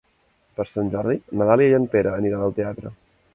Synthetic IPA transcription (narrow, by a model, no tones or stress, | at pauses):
pəɾsanʲd͡ʒɔɾðinət̪aljəjənpeɾəːniɾanəlˠt̪eat̪ɾə̰